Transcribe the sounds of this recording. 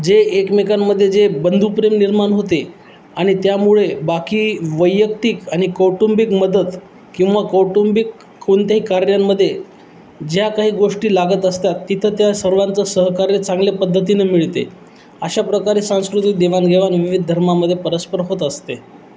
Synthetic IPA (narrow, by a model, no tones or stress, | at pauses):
d͡zeːkmekamːəd̪ʱːjed͡zebənd̪ʱupɾemniɾmaɳɦot̪e | aɽ̃it̪jamuɭebakiːʋəjːək̚t̪ikaɽ̃ikəwʈumbikməd̪ət̪ | kĩw̃ʋakəwʈumbikː | oɳt̪jaɦiːkaɾjamːəd̪ʱːje | d͡ʑjakaɦiːɡoʂʈiːlaɡət̪əst̪at̪ːit̪ʰət̪jasəɾʋant͡səsəɦkaɾet͡sãŋɡlepəd̪ʱːət̪̬inemiɭt̪ḛ | əɕapɾəkaɾeːsãskɾut̪id̪eʋanɡʱeʋanʋiʋid̪̚ʱd̪ʱəɾmaməd̪ʱːjepəɾəspəɾɦot̪əst̪e